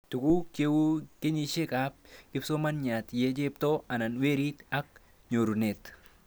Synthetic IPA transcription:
t̪ʊ˨ku˦ke˦wu˦ke˦ɲiʃe˦ka˦p̚kɪ˦fso˦ma˦nɲa˨t̪je˦d͡ʒe˦pt̪o˦ɐ˨na˨nwe˦ɾi˦t̪ɐ˦k̚ | ɲoː˨ɾu˨net̪

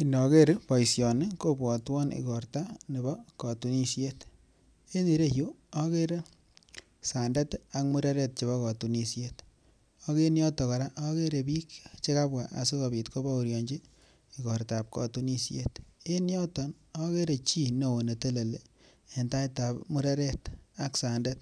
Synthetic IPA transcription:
i˨nɔ˨ke˦ɾpɔ˨jsjɔ˨ne˦ko˦bwɔ˨twɔ˦nḭ˨kɔ˨ɾta˦ne˨bɔ˦kɔ˨tu˨ni˦sje˦t | e˦ni˨ɾe˦ju˦ | ɔ˦ke˦ɾe˦ | sa˨nda˦ta˦kmu˦ɾa˦ɾe˦t̚t͡ʃe˨βɔ˦kɔ˨tu˨ni˨sjet | ɔ˦ke˦njɔ˦tɔ˨ka˨ɾa˦ʔo˦ke˦ɾe˨bi˦kt͡ʃe˦ka˦bwa˨ʔa̰˨se˦kɔ˨bi˨tko˦ba˦u˨ɾjɔ˨ɲd͡ʒi˦ | i˨kɔ˨ɾta˨p̚kɔ̰˨tu˦ni˦sjḛ˦te˦njɔ˦tɔ˨n | ɔ˦ke˦ɾe˨t͡ʃi˦no˨wo˨ne˨te˦le˨le˨ | e˨nta˦ita˨pmu˦ɾa˦ɾe˦ta˦ksa˨nda˦t̚

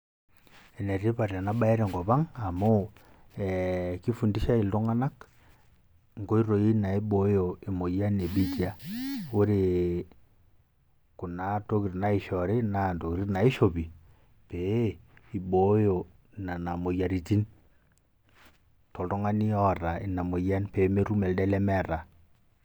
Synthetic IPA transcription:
ɛ˨ne˨ri˦pa˨ra˨na˦ba˦ɛ˦ɾɛ˨ŋɡɔ˨ba˦ŋa˨mo˦ | ɛ˨ki˦fu˨ndi˦ʃa˦i˨ltɔ˦ŋa˦na˦k | ŋɡo˦i˦ɾo˨i˦na˨i˦ɓo˨˦jo˨e˨mo˨ja˦ne˨bi˦tja˨o˦ɾe˨ | ku˨na˨to˦ki˨ɾna˨˦i˨ʃɔ˨ɾe˦na˨to˨kɾi˦na˨i˦ʃo˨bi˨ | pe˨˦i˨ɓo˨˦jo˨ | na˨na˨mo˨ja˨ɾi˨ti˦n | tɔ˨ltɔ˦ŋa˦ni˦ɔ˦˨ɾa˨i˨na˨mo˨ja˦npe˨˦me˦ɾu˦mɛ˨ldɛ˦lɛ˦mɛ˦˨ɾa˨

